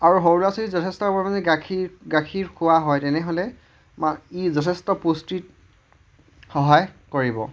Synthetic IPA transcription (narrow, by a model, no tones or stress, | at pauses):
aɹuɦowlasɔlizɔtʰɛstɔbɔɹmazɛɡakʰiɡakʰiɹkʰʊwaɦɔjtɛnɛɦolɛ | maizɔtʰɛstɔpustit | xɔɦajkoɹibɔ̰